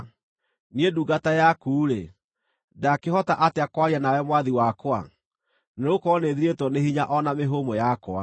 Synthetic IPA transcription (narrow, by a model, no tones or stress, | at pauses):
nieduːɡatajakuːɾe | dakehɔtaʔateakwaɾianawɛmwaðiwakwa̰ | neɾokɔneðiɾetwɔnehiɲaʔɔnameɦomojakwa